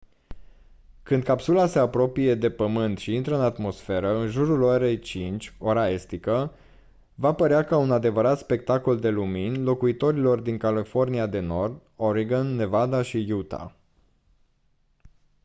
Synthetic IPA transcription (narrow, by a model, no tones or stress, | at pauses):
kɨnd̪̚kapsulase̞apɾo̞pije̞d̪e̞pəmɨnt̪ʃiint̪ɾəɨnat̪mo̞sfe̞ɾəɨnʒuɾuloɾe̞jt͡ʃint͡ʃʲo̞ɾae̞st̪ikə | vapəɾeakaunad̪e̞vəɾat̪spe̞k̚t̪ako̞ld̪e̞luminlo̞kuit̪o̞ɾilo̞rd̪iŋkalifo̞rniad̪e̞no̞rd̪ | o̞ɾiɡənːe̞vad̪aʃijut̪a̰